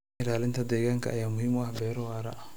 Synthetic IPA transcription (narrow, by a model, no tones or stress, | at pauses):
ɪlaːlɪnt̪ʰɐd̪ɛːɣaːŋkʰɐ̰ʔːjaːmʊhiːmɔʔahbɛːɾɔwaːɾɐ̰ʔ